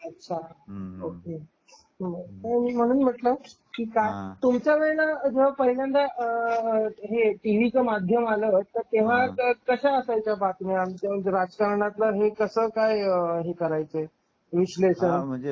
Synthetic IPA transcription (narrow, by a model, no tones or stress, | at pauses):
ətːɕʰaoke | əmiːm̤əɽ̃uːnm̤əʈlə | kiːkajt̪umt͡ɕjaʋeɭnad͡ʑeʋ̤apəɾiɽənd̪aə | ɦeʈiʋit͡səmad̪ʱjəmalət̪əɾt̪eʋ̤akəɕaəsajt͡ɕjapat̪njamd͡ʑɾad͡zkaɾɳat̪laɦekəsəːkajɦekəɾajt͡se | ʋiɕleɕəɳ